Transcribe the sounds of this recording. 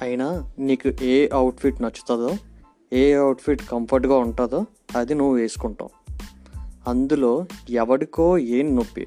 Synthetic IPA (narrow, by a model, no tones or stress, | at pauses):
ɐjinɐniːkuʔeːʔɐwʈpʰiʈnɐt͡ʃːu̥t̪aːd̪oː | eːɐwʈpʰiʈkɐmpʰɐɾʈɡaːuɳʈaːd̪oː | ɐd̪inuʋːuʋe̞ːsu̥kɔɳʈa̰ːm | ɐnd̪ulo̞ːɛʋɐɽiko̞ːeːnnopːḭ